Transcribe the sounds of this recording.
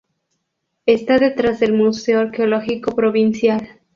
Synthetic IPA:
est̪aðe̞t̪ɾazðe̞lmuse̞oaɾkeoloxiko̞pɾo̞βinsjal

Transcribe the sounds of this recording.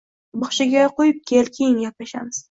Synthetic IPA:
bɒχʃɪɡʲaqojɪp̚kʲʰelkʲʰejɪŋjɒp̚aʃa̰mɪz̥

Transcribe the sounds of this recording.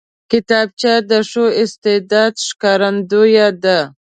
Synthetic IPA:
kɪt̪ɑb̚t͡ʃɑd̪əʂoɪst̪ɪd̪ɑd̪ʃkɑɾand̪ojad̪a

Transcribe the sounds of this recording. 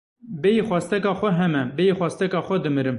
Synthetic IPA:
bɛjixʷwɑːst̪ɛkɑːxʷɛɦɛmɛbɛjixʷwɑːst̪ɛkɑːxʷɛd̪ɨmɨɾɨm

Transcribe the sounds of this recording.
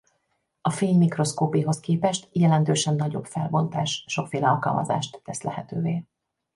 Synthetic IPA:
ɒfeːnmikro̞skoːpiɦo̞skeːpɛʃt̪jɛlɛnt̪øːʃɛnːɒɟo̞bfɛlbo̞nt̪aːʃʃo̞kfeːlɛɒlkɒ̰lmɒ̰za̰ːʃt̪ːɛslɛɦɛt̪øːveː

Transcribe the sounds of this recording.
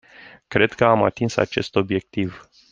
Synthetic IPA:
kɾe̞d̪kəamat̪insa̰t͡ʃe̞st̪o̞bje̞k̚t̪iv

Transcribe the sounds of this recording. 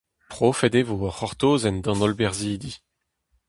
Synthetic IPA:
pχofɛdevoɔχɔʁt̪oːzɛnd̪ɑ̃nɔlbɛʁziːd̪i

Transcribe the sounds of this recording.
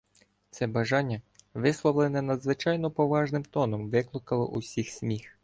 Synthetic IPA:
t̪sɛbɐʒɑnʲːɐʋɪslˠɔʋlˠɪnɛnɐd̪zʋɪt͡ʃɑjnɔpɔʋɑʒnɪmt̪ɔnɔmʋɪklˠʊkɐlˠɔ̰ʔusʲixsʲmʲix

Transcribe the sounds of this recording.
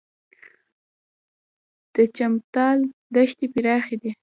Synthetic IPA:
d̪̥ət͡ʃamt̪ɑld̪aʃt̪ipiɾɑxed̪i

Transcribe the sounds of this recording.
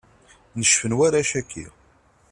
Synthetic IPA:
nəʃfənwæɾaʃækʰːḭ

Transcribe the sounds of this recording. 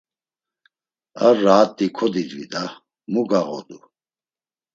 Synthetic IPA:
araːt̪ʼːikʰɔd̪id̪vḭd̪a | muɡaɣɔ̰d̪u

